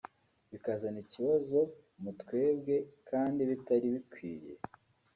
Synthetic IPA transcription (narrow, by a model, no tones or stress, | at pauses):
βikazaniciβazo̞ | mutwe̞ːbɡe̞kʰaːndiβitaɾiβikwiːɾjḛ